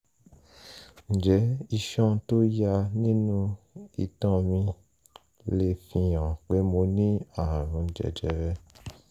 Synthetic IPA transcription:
n̩˨d͡ʒɛ˨˦i˧ʃɔ̃˦to˦ja˧nĩ˦nũ˦ | ḭ˧tɔ̃˦mĩ˧ | le˧fĩ˧jɔ̃˨k͡pe˨˦mo˧nĩ˦a˦˨ɾ̃ũ˨˧˨d͡ʒɛ̰˨d͡ʒɛ˧˦ɾɛ˦

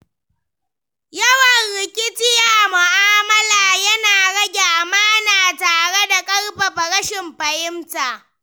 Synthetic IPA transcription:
jɐ˦wɐ˨nɾɪ˨kʲɪ˦tɪ˦jaː˨ʔmʊ˨ʔaː˦mɐ˦laː˨jɐ˦naː˨ɽɐ˦ɡʲe˨ʔa˨maː˦naː˨taː˨ɽe˦da˨kʼɐ˦ɽɸɐ˨ɸɐ˨ɽɐ˦ʃɪ˨mɸɐ˨jɪ˦mtaː˨

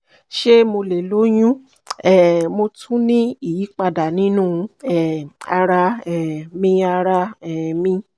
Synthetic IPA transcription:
ʃe˦mo˧le˨lo˨˦j̃ũ˦ | ɛ˨mo˧tʰũ˦nĩ˦i˦˨ji˨˦k͡pa˧da˨nĩ˦nũ˦˨ɛ˨a˧ɾa˧ɛ˨mĩ˦a˧ɾa˧ɛ˨mĩ˦

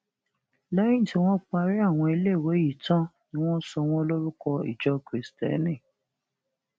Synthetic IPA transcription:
la˦ĩ˦˨ti˨˦w̃ɔ̃˦k͡pa˧ɾi˦a˦˨w̃ɔ̃˧i˧le˦˨we˨˦ji˨tã˦nĩ˦w̃ɔ̃˦sɔ˧w̃ɔ̃˦lo˦ɾu˦kɔ˧ḭ˨d͡ʒɔ˦kɾi˨stɛ̰˨˦nĩ˦˨

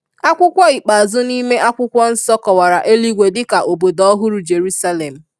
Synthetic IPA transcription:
a˦kʷʊ˦kʷɔ˦i˨k͡pa˨zʊ˦ni˦me˦ʔa˦kʷʊ˦kʷɔ˦n̩˦sɔ˦kɔ˨wa˨ɾa˨ʔe˦li˦ɡʷe˨dɪ˦ka˨ʔo˨bo˨dɔ˦ɦʊ˦ɾu˨d͡ʒe˨ɾu˦sa˦le˨m̩˨

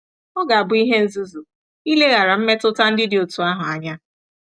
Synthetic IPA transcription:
ɔ˦ɡa˨a˨bʊ˨i˦ɦe˦n̩˦zu˦zu˨ | i˦le˦ɣa˨ɾa˨m̩˦me˦tʊ˦ta˦n̩˦dɪ˦dɪ˨o˨tu˨a˦ɦʊ˨a˨ɲa˦

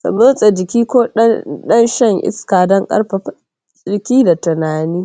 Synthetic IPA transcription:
sɐ̰˨mo˦sʼɐ˨d͡ʒɪ˨kʲiː˦koː˦ɗɗɐ˦nʃɐ˦˨ŋʔɪ̰˦skaː˨dɔ˦ŋkʼɐ̰˦rɸa˨˦ | t͡sʼɪ˨kʲiː˦da˨tɪ˨naː˨niː˦

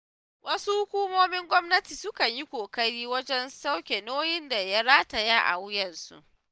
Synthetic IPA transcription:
wɐ˦su˦hʊ˦kʷuː˦moː˦mɪ˦ŋɡʷɔ˦mnɐ˦tiː˨sʊ˦kɐ˨ɲji˦kʷoː˨kɐ˦ɾiː˦wɐ˦d͡ʒɛ˦nsa˦wkʲe˨noː˦jɪ˦nda˨ja˦ɽaː˦ta˨ja˦ʔa̰˨wjɐ˨nsṵ˦ʔʔ

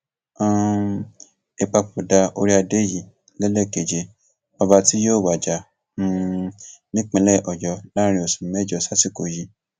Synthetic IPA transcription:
ã˦ | e˨k͡pa˧k͡pu˨da˧o̰˧ɾi˦a˧de˦ji˨˦ | lɛ˦lɛ˦˨ke˨d͡ʒe˨˧ | ba˧ba˦ti˦joː˦˨wa˨d͡ʒa˨ | nũ˦ | nĩ˦k͡pẽ˧lɛ˦˨ʔɔ˨jɔ˧la˦˧ɾ̃ĩ˧o˨sũ˨mɛ˦d͡ʒɔ˨sa˦si˦˨ko˨ji˨˦

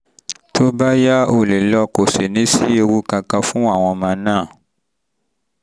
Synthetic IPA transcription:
tʰo˦ba˦ja˦o˨le˨lɔ˧ko˨se˨nĩ˦si˦e˧wu˦ka˧ka˧fũ˦a˨w̃ɔ̃˨˧mã˨nã˦˨

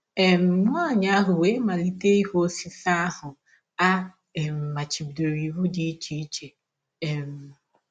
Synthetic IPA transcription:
e˨m̩˨˦a˦˨ɲa˦a˦ɦʊ˨we˦ma˨li˦te˦i˦ɦo˦si˦sa˦a˦hʊ˨ | a˦ | e˨m̩˨ma˨t͡ʃi˨bdo˨ɾi˨βu˦di˦t͡ʃi˦i˦t͡ʃe˨ | e˨m̩˨

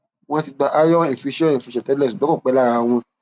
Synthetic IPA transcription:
w̃ɔ̃˦ti˧ɡ͡ba˧ʔa˦jɔ˦ĩ˨fi˧ʃɔ̃˦ĩ˨fi˧ʃɛ̃˨tɛ˦lɛ˦˨su˨bɛ˨˦ko˦˨k͡pɛ˨˦la˦˨ɾa˧w̃ɔ̃˧

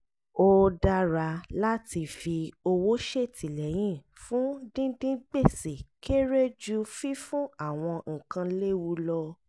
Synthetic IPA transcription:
o˧da˧ɾa˧la˦ti˧fi˧o˧wo˦ʃe˦˨tʰi˨lɛ˨˦j̃ĩ˦˨ | fũ˦dĩ˦dĩ˦ɡ͡be˦˨si˨kʰe˦ɾe˦d͡ʒu˦fi˦fũ˦a˦˨w̃ɔ̃˧ŋ̩̃˨kã˧le˦wu˧lɔ˧

